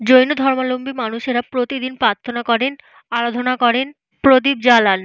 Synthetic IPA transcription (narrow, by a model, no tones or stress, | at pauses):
d͡ʑojnod̪ʱɔɾmalombimanuʃeɾapɾot̪id̪inpɾat̪ʰːonakɔɾen | alod̪ʱonakɔɾen | pɾod̪ib̚d͡ʑalan